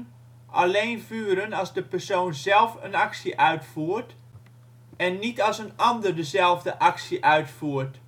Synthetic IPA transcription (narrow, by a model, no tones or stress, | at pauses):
ʔa̰leːnfyːəɾənɑlzdəpərsoːnzɛlˠfə̰naksiʔœɥtfuːərt | ɛnːitɑsənɑndərdəzɛlˠvdəʔɑksiʔœɥtfuːərt